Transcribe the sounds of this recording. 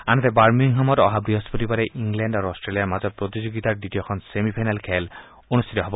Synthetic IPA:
anɔt̪ɛbaɹmiŋɦamɔtɔ̰ɦabɾiɦɔspotipaɾɛʔiŋɡlɛndaɾuɔstɹelijaɹmazɔpɹot̪izoɡit̪aɹditijɔkʰɔnsemipʰajnalkʰɛl | onust̪ʰit̪ɔɦɔbɔ

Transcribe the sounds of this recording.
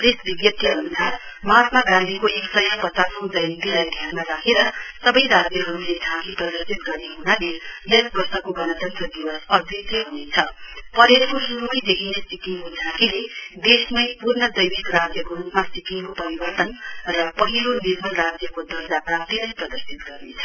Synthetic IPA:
presbiɡjʌpt̪ʰiʌnusar | matmaɡãnd̪ʱikoʔeksʌjʌpʌt͡sasʌw̃d͡zʌjnit̪ilajd̪ʱjanmaɾakʰeɾʌsʌbʌjɾad͡zjʌɦʌɾuled͡zʱãkiprʌd̪ʌrsit̪ɡʌrneɦunaleesbʌrsʌkoɡʌnʌt̪ʌnt̪rʌd̪iwʌsʌd̪issʌɦunet͡sʰʌpʌɾeɾkosuɾumʌjd̪ekʰinet͡sikiŋkod͡zʱãkiled̪esmʌjpurnʌd̪ʌjbikrad͡zjʌkorupmat͡sikiŋkopʌɾibʌrt̪ʌnrʌpʌɦilonirmʌlrad͡zjʌkod̪ʌrd͡zaprap̚t̪ilʌjprʌd̪ʌrsit̪̚ɡʌrnet͡sʰʌ

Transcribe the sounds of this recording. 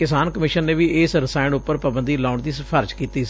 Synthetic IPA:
kɪsaːnkəmɪʃənːeːʋiːɪːsɾɪsaːɪɳʊpːəɾpəbənd̪iːlaːʊɳd̪iːspʰəɾd͡ʒkiːt̪iːs

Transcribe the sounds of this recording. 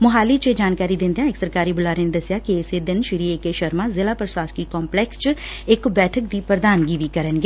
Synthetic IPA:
mʊɦaːliːt͡ʃeːd͡ʒaːnkaːɾiːd̪ɪ̃nd̪ejãːɪksəɾkaːɾiːbʊlaːɾeːneːd̪əsːɪjaːkiɪseːd̪ɪnʃɪɾiːekeʃəɾmãːzɪlaːpɾəsaːskiːkɔːmplɛːkst͡ʃ | ɪkbɛːʈʰək̚d̪iːpɾəd̪aːnɡiːʋiːkəɾənɡe

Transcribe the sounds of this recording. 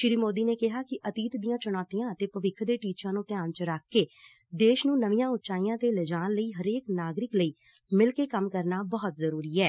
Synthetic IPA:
ʃɪɾiːmoːd̪iːneːkɪɦaːkɪʔət̪iːt̪d̪ijãːt͡ʃʊɽ̃aːt̪ijãːət̪eːpəʋɪkʰd̪eːʈiːt͡ʃãːnũːt̪ɪjaːnt͡ʃəɾakʰːeː | d̪eːʃnũːnəʋijãːʊtːʃaːijãːt̪eːləd͡ʒaːnləiːɦəɾeːknaːɡɾɪkləiː | mɪlkeːkəmkəɾnaːbəːt̪zəɾuːɾiːɛː

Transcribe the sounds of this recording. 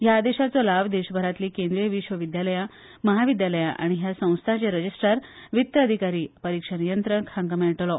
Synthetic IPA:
ɦjaːd̪eɕat͡sɔlaʋd̪eɕbʱəɾat̪liːkẽnd̪ɾijəʋiɕʋəʋid̪jaləja | məɦaʋid̪jaləja̰ʔa̰ɽ̃iɦjasə̃w̃st̪ʰat͡ɕeɾəd͡ʑisʈəɾʋit̪ːəəd̪ʱikaɾiːpəɾikʂənijənt̪ɾəɳkʰãŋɡəmeɭʈlɔ

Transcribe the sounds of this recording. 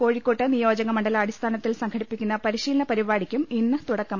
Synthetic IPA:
ko̞ːɻikːo̞ːʈːɐnijo̞ːd͡ʑɐŋɐmɐɳɖɐlɐɽist̪ʰaːnɐt̪ːilsɐŋkʰɐɽipːikʲːunːɐpɐɾiɕiːlɐɳɐpɐɾibaːɽikʲːuminːɨt̪uɽɐkːɐm

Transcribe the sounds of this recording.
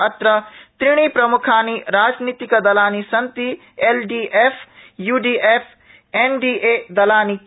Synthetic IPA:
ɐt̪ɾɐt̪ɾɪɽ̃ipɾɐmʊkʰaːniɾaːd͡ʒniːt̪ikɐd̪ɐlaːnisɐ̃nt̪i | eːlɖiːʔeːfjuːɖiːʔeːfʰ | eːnɖiːʔeːd̪ɐlaːni

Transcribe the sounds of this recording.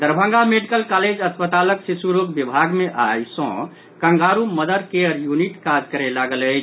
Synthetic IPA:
d̪əɾbʱə̃ŋɡameɖikəlkaled͡ʒəspət̪aləksisuɾokbibʱaɡmeʔajsɔ̰̃ | kə̃ŋɡaɾuməd̪əɾkeəɾjuniʈkad͡ʒkəɾelaɡələt͡ʃʰ

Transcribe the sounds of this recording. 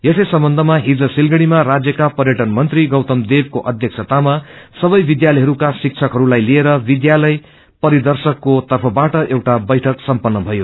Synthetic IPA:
jesʌjsʌmbʌnd̪ʱʌmaɦid͡zʌsilɡʌɽ̃imarad͡zjʌkapʌrjʌʈʌnmʌnt̪riɡʌwt̪ʌmd̪eb̚koʔʌd̪ʱjʌksʰʌt̪amasʌbʌjbid̪jalʌjɦʌɾukasik̚t͡sʰʌkɦʌɾulajlieɾʌbid̪jalʌj | pʌɾid̪ʌrsʌkːot̪ʌrpʰʌbaʈʌʔewʈabʌjʈʰʌksʌmpʌnːʌbʱʌjo

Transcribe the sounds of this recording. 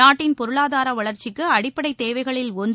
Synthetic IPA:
aːʈːɪnpɔɾɯɭaːðaːɾɐʋɐɭɐɾt͡ʃːɪkːɯɐɽɪpːɐɽɐɪt̪ːeːʋɐɪɣɐɭɪlɔn

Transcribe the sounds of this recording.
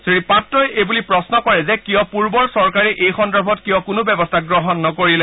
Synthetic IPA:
sɹipatɹɔjebulipɹɔsnɔkɔɹɛzɛkijɔpuɹbɔɹsɔɹkaɹɛʔejxɔndɔɹbʱɔtkijɔkʊnʊbɛbɔstʰaɡɹɔɦɔnːɔkoɹilɛ

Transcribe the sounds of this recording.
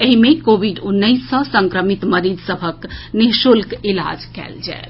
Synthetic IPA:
eɦimekobiɖunːəɪsːə̃sə̃ŋkɾəmit̪məɾid̪səbʱəkniɦʃulkila̰d͡ʒkɛ̰ld͡ʒa̰e

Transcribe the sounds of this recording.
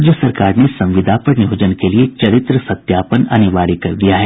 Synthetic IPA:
d͡ʒjəsɐɾkaːɾnesɐ̃mʋɪd̪ʱaːpɐɾnɪɦoːd͡ʒənkeliet͡ʃɐɾɪt̪ɾəsɐt̪jaːpənɐ̰niʋaːɾikɐɾd̪ijaɦɛː

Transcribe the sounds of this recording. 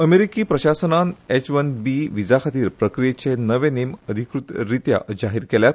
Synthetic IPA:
əmeɾikiːpɾəɕasənanet͡ɕʋənbiʋid͡zakʰat̪iːɾpɾəkɾijet͡ɕenəʋeneməd̪ʱikɾut̪ɾit̪ja̰ʔd͡ʑaɦiːɾkɛljat̪

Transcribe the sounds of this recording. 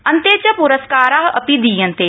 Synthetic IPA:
ə̃nt̪et͡ʃəpʊɾəskaːɾaːɦɐpid̪ijə̃nt̪eː

